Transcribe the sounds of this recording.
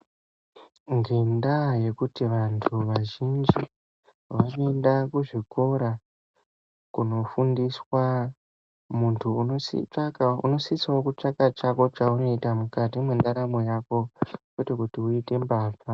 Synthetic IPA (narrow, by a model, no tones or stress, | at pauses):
ŋɡendaje̞kutiʋantʰuʋaʒind͡ʒi | ʋanendakuʐiko̞ɾa | kuno̞fundiswa | muntʰuːo | ṵno̞siswaokut͡ʂakat͡ʃako̞t͡ʃauno̞itamukatimwendaɾamojako̞kwetekutiuite̞mbaːfa